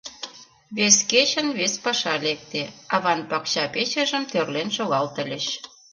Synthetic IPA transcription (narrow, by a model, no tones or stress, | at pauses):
βesket͡ɕə̆nβespɑʃɑlek̚t̪eɑβɑnpɑkɕɑpet͡ɕə̆ʒə̆mt̪ørlenʃoɣɑlt̪ə̆lʲeɕ